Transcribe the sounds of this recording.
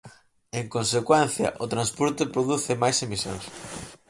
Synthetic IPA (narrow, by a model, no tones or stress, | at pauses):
eŋkõnsekwɛ̃nθjɐ̰ʔʊt̪ɾanspɔɾt̪epɾoðuθɪmajsemisjõ̰ŋs